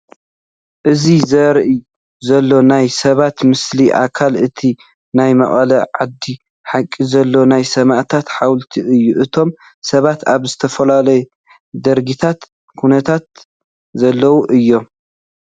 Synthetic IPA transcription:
ʔɨzizɐɾʔi | zɐlːo̞najsɐβat̪mɨsliʔa̰kʰalʔɨt̪ʰi | najmɐ̰χʼɐlɐʕad̪ːi | ħakʼːizɐlːo̞najsɐmaʔt̪ʰat̪ħawlt̪ʰiʔɨjːuʔɨt̪ʰo̞m | sɐβat̪aβzɨt̪ʰɐfɐlalɐj | d̪ɐɾɡit̪ʰat̪ | kʰunɐt̪ʰat̪ | zɐlːɐwuʔɨjːo̞m

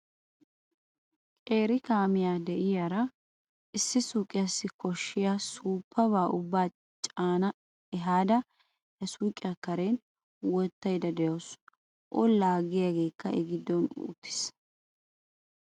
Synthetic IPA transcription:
kʼe̞ːɾɪkaːmɪjaːd̪ɛʔɪjaɾɐ | ʔɪsːɪsuːkʼːɪjasːɪkɔʃːɪjaːsuːpʰːɐβaːʔʊbːaː | t͡ʃʼaːnɐ | ɛɦaːd̪ɐ | hɛsuːkʼɪjɐkɐɾeːn | wɔt̪ːɐjd̪ɐd̪ɛjoːs | ʔɔlaːɡɪjaːɡe̞ːkːɐʔɛɡɪd̪ːɔnṵt̪ːɪ̥s

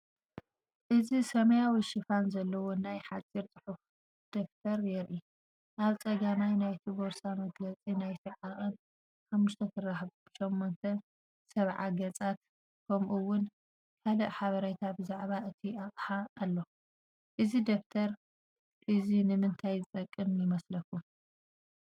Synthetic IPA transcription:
ʔɨzisɐmɐjawiʃɪfanzɐlːɐwonajħat͡sʼːiɾt͡s̪ʼɨħuf | d̪̥oft̪ʰɐɾjɛɾʔi | ʔaβt͡sʼɐɡamajnajt̪ʰiboɾsamɐɡlɐt͡sʼinajt̪ʰiʕaχʼɨn | ħamːuʃt̪ʰɐt̪ʰɨraħbb̥ɨʃɛmːont̪ʰɐ | sɐβʕa̰ɡɐt͡sʼat̪ | kʰɐmʔuwʊn | kʰalɐʔħaβɐɾɐt̪ʰabɨzaʕβaʔɨt̪ʰiaχʼħaːlːo̞ | ʔɨzid̪oft̪ʰɐɾ | ʔɨzinɨmɨnt̪ʰajzɨt̪ʼɐkʼːɨmjɪmɐslɐkːu

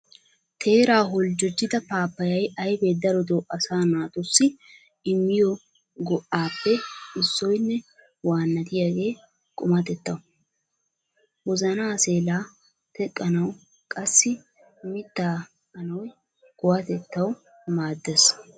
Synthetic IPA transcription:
t̪ʰe̞ːɾaːɦɔld͡ʒɔd͡ʒːɪd̪ɐpaːpːɐjɐjɐjbed̪ɐɾɔd̪ɔwʔɐsaːnaːt̪ʊsːɪ | ɪmːɪjɔ | ɡɔʔaːpːɛɪsːɔjnːɛ | waːnːɐt̪ɪjaɡe̞ː | kʼʊmɐt̪ɛt̪ːɐwʊ | wɔzɐnaːse̞ːlaː | t̪ɛkʼːɐnɐw | kʼɐsːɪ | mɪt̪ːaː | ɐnɔwj | ɡ̥ɔwɐt̪ɛt̪ːɐw | maːd̪ːɛs

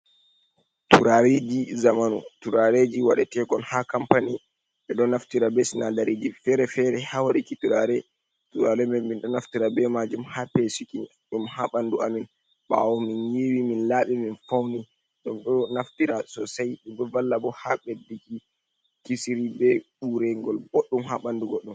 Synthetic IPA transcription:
tuɾaɾed͡ʒizamanṵtuɾaɾed͡ʒiwaɗɛtɛkɔnhakampani | ɓɛɗɔnaftiɾabɛsinadaɾid͡ʒifɛɾɛfɛɾɛhawaɗikituɾaɾɛ | tuɾaɾɛmɛnminɗɔnaftiɾabɛmad͡ʒumhapesiki | ɗumhaɓanduamin | ɓa̰wɔminjiwiminlaːɓiminfawni | ɗɔmɗɔnaftiɾasɔsajɗumbɛvalːabɔhaɓedːiki | kisiɾibɛɓuɾɛŋɡɔlɡɔɗːumhaɓanduɡɔɗːum

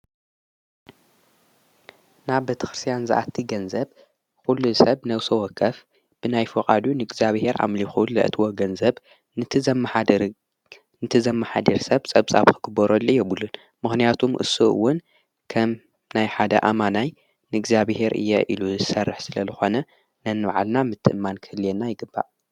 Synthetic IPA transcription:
naβbet̪ʰɐ̥xɾɨst̪ʰijanzɨ̰ʔat̪ʰːiɡɐnzɐb | kulːusɐβnɐwsɐwɔkʰːɐf | b̥ɨnajfɨqʼad̪unɨɡzaβhe̞ɾʔa̰mlixullɐ̰ʔɨt̪ʰwoɡɐnzɐβ | nɨt̪ʰɨm | nɨt̪ʰɨzɐmːaħad̪iɾsɐβt͡sʼɐβt͡sʼa̰βkʰɨɡ̥ɨbɐɾolʔɨjːɛbulːun | mɨxnijat̪ʰumʔɨ̰sːuʔɨ̰wːʊn | kʰɐm | najħad̪ɐ̰ʔamanaj | nɨɡzaβhe̞ɾʔɨ̰jːɛʔiluzɨsɐrːɨħsɨlɐzɨxo̞nɐ | nɐnɨβaʕa̰lnamɨt̪ʰːɨ̰ʔɨmːankʰɨhɨljenːajɪɡɨbːa̰ʔ

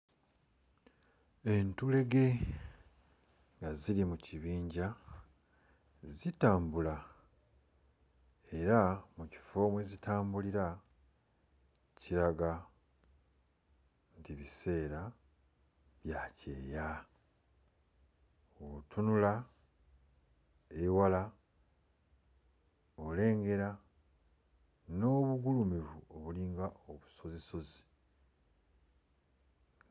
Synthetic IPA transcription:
e̞ntule̞ɡe̞ | ŋɡazilimuciβiːɲɟa | zitaːmbula | e̞ɾamuci̥fo̞ːmwezitʰaːmbuliɾa | ciɾaɡa | ntiβise̞ːɾa | βjaːce̞̰ːja | oβtʰunula | ewala | ole̞ːŋɡe̞ɾa | no̞βuɡulumivuo̞βuliːŋɡaoβu̥so̞zeso̞zi̥

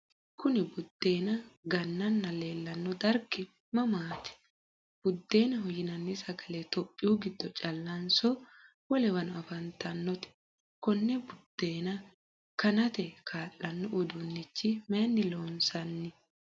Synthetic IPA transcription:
kʊnɪbʊd̪̥ːe̞ːnɐɡɐnːɐnːɐleːlːɐnːɔd̪ɐɾkːɪ | mɐmaːt̪ɛ̥ | b̥ʊd̪ːe̞ːnɐɦɔjɪnɐnːɪsɐɡɐlet̪ɔpʼːɪjuɡɪd̪ːɔt͡ʃʼɐlːɐnsɔ | wɔlɛwɐnɔɐfɐnt̪ʰɐnːɔt̪ɛ̥ | kɔnːɛbʊd̪̥ːe̞ːnɐ | kɐnɐt̪ɛkʰaːlːɐnːɔʔʊd̪ʊnːɪt͡ʃːɪmeːnːɪloːnsɐnːɪ

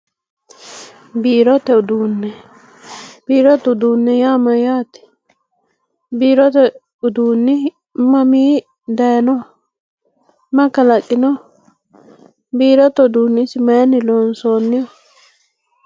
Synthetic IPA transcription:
biːɾɔt̪ɛʊd̪uːnːɛ | biːɾɔt̪ʊd̪uːnːɛjaːmɐjaːt̪ɪ̥ | biːɾɔt̪ɛ | ʊd̪uːnːɪ | mɐmiː | d̪ɐjɐnɔ | mɐkɐlɐkʼːɪnɔ | biːɾɔt̪ɔʊd̪uːnːɪsɪmɐjɐnɪloːnsoːnːɪjɔ

